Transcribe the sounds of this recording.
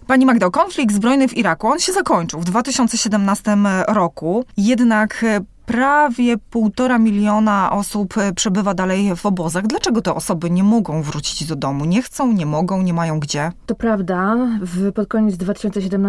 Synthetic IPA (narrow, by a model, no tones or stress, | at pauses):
paɲimaɡd̪awkɔnflʲik̚d̪zbɾɔjnɘviɾakuɔnɕɛzakɔɲt͡ʂɘwvd̪vat̪ɘɕɔntsɛɕɛd̪ɛmnast̪ɘmɾɔkujɛd̪nakpɾavʲjɛpuwt̪ɔɾamʲilʲjɔnaʔɔsuppʂɛbɘvad̪alɛjvɔbɔzaɣd̪lat͡ʂɛɡɔt̪ɛʔɔsɔbɘɲɛmɔɡɔ̃w̃vɾut͡ɕi̥d͡ʑd̪ɔd̪ɔmuɲɛxt̪sɔ̃w̃ɲɛmɔɡɔ̃w̃ɲɛmajɔ̃w̃ɡd͡ʑɛt̪ɔpɾavd̪avpɔt̪̚kɔɲɛd̪zd̪vat̪ɘ̥ɕɔnt̪sɛɕɛd̪ɛmn